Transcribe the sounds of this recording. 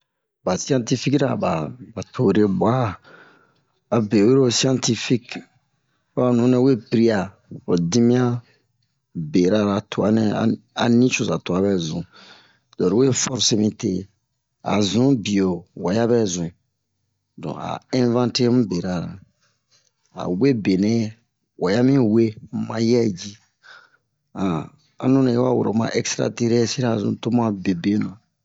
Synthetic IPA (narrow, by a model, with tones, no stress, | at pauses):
ba˨si˦ã˦nti˦fi˦kɾa˨ba˨ba˨tʰo˨ɾe˨ba˦˨ | a˨be˨we˦ɾo˦si˦ã˦nti˦fi˦k | fa˦˨nũ˨˦nɛ̃˦we˦˨pi˨ɾi˦a˨ | o˨dĩ˦mĩ˦a˦ | be˨ɾa˦˨ɾa˨tʰo˨a˨˦nɛ˦a̰˨a̰˨nĩ˦t͡ʃo˨sa˨to˨a˨˦bɛ˦zũ˨ | dɔ˨ɾi˨we˦˨fɔ˦ɾse˦mĩ˨tḛ˨ | a̰˨zũ˨˦bi˨o˨wa˨ja˦bɛ˦zũ˨ | dɔ̰̃˨a̰˨ɛ̃˦vã˦nte˦mũ˦be˨ɾa˦˨ɾa̰˨ | a̰˨we˦be˨nɛ̃˦ | wa˨ja˦mĩ˦we˦m̩˦mã˦jɛ˦d͡ʒi˦ | ã˨ | a̰˨nũ˦nã˨je˦wa˦˨wo˨ɾo˨mã̰˦ʔɛ˦kstɾa̰˨te˦ɾsi˦ɾa˦˨zṵ̃˨to˦mã˦be˨be˦nã˨